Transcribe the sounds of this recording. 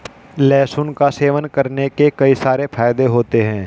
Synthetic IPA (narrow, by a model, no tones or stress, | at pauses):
lɛːsʊnkaseːʋənkɐɾnekekɐisaːɾefʰaːjd̪eɦoːt̪eɦɛ̃ː